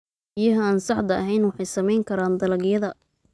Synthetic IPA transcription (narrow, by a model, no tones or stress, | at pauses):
ɪjɐɦɐaːnsɑħd̪ɐɐɦɛjnwɑħɑjsɐmɛjŋkʰɐɾaːnd̪ɐlɐɡjɐðɐ